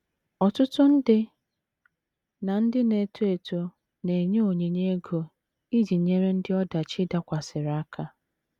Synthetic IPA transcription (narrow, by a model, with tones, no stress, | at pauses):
ɔ˨tʊ˦tʊ˦n̩˦dɪ˦ | na˨n̩˦dɪ˦ne˨tu˦e˨to˦ | ne˨ɲe˦o˨ɲe˨ɲe˦ɡo˨ | i˦d͡ʒi˨ɲe˦ɾe˦n̩˦dɪ˦ɔ˦da˨t͡ʃɪ˦da˦kʷa˨sɪ˨ɾa˨˦a˦kʰa˦